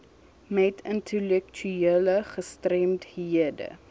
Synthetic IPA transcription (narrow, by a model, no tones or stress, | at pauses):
mɛtəntʰəlɛk̚tʰyiələχəstrɛmthiədə̰